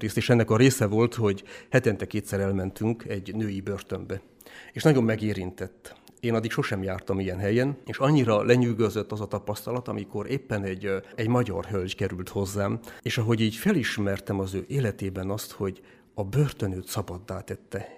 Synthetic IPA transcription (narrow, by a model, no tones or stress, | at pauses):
ɾeːst̪eːʃɛnːɛkɒɾeːsɛvo̞lt̪ho̞ɟhɛt̪ɛnt̪ɛkeːt̪sɛɾɛlmɛnt̪yŋkɛɟnøːjibørt̪ømbɛ | eːʃnɒɟo̞mːɛɡeːɾint̪ɛt̪ː | eːnɒd̪ːikʃoʃɛmjaːrt̪ɒmijɛnɦɛjɛneːʃɒɲːiɾɒlɛɲyːɡøzøt̪ːɒzɒt̪ɒpɒst̪ɒlɒt̪ɒmiko̞ɾeːpːɛnɛɟɛɟmɒɟɒ̰rɦølɟkɛɾylt̪ho̞zːaːmeːʃɒɦo̞ɟiːɟfɛliʃmɛrt̪ɛmɒzøːʔeːlɛt̪eːbɛnɒst̪ho̞ɟ | ɒbørt̪ønøːt̪sɒbɒd̪ːaːt̪ɛt̪ːɛ